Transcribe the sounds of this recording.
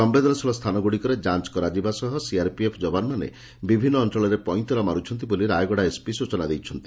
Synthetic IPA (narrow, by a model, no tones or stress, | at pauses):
sɔmbed̪ɔnɔsɔlɔst̪ʰanɔɡuɽikɔɾed͡ʒant͡ʃkɔɾad͡ʒibasɔɦɔsiaɾpiepʰd͡ʒɔbanɔmanḛ | bibʱinːɔːnt̪ɾɔɭɔɾepɔjnt̪ɔɾɔmaɾut͡ʃʰɔnt̪̬iboliɾajɡɔɽaespisut͡ʃɔnad̪ejt͡ʃʰɔnt̪i